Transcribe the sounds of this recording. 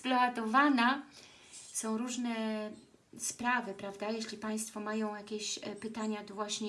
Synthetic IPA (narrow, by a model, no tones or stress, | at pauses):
plɔat̪ɔvana | sɔ̃w̃ɾuʐnɛ | spɾavɘpɾavd̪ajeɕlʲipaj̃st̪fɔmajɔ̃w̃jakʲeɕpɘt̪aɲad̪vwaɕɲɛ